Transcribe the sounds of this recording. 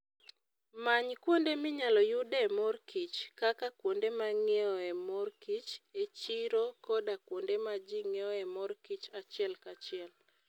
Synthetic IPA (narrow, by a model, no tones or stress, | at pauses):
maɲkwondemɪɲalɔjʊdamɔrkit͡ʃkakakwondemaŋeɔɛmɔrkit͡ʃet͡ʃiɾokɔdakwondemad͡ʒiŋeɔɛmɔrkit͡ʃat͡ʃɪɛlkat͡ʃɪɛl